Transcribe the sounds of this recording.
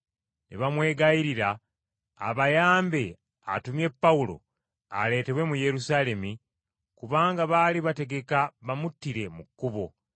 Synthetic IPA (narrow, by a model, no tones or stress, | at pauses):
nʔḛβamwe̞ːɡaiɾiɾa̰ː | βajaːmbe̞ | a̰tumje̞pːaulo̞̰ | a̰le̞ːte̞βwe̞muje̞ɾusale̞mi | kuβaːŋɡaβaːliβate̞ɡe̞kaβamutːiɾe̞mukːuβo̞